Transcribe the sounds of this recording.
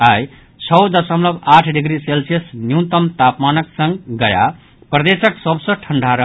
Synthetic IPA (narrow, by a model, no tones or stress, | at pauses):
aj | t͡ʃʰʌwd̪əsəmləbaʈʰɖiɡɾiselsiesnjut̪əmt̪apmanəksə̃ŋɡɡəja̰ | pɾəd̪esəksəbsʌ̃ʈʰəɳɖʱaɾə